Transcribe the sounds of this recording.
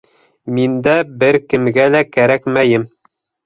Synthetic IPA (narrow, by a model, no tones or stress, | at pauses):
mind̪æbɘɾkɘ̆mɡælækæɾækmæjɘm